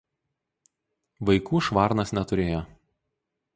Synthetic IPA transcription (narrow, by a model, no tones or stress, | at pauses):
ʋɐɪkuːʃʋɑːˑɾnɐsnʲɛt̪ʊɾʲeːjɛ